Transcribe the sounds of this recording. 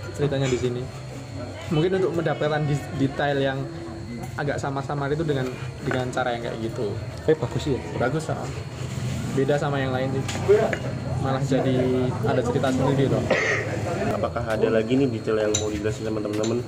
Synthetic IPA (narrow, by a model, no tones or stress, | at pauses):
t͡ʃəɾit̪aɲadisini | muŋkɪnunt̪ʊk̚məndapət̪andidit̪ajljaŋ | aɡa̰ʔsamasamaɾit̪̬udəŋan | dəŋant͡ʃaɾajaŋɡa̰ʔɡit̪u | kajpakusiabaɡʊsa̰ʔa̰ | bedasamajaŋlaɪnd͡ʒit̪ | malahd͡ʒadiadat͡ʃəɾit̪asənidilɔ | a̰pakaɦadalaɡinidit̪aljaŋmodiɡlasit̪əmənt̪əmənt̪əmən